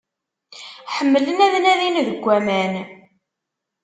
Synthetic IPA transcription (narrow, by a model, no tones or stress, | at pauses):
ħəmːələnæðnæðinðəɡʷːæmæn